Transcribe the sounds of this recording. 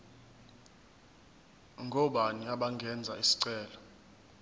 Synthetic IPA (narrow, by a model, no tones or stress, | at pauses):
ŋɡʱɔɓaniaɓaŋɡʱɛnd͡zʱaisi̥ǀɛːlɔ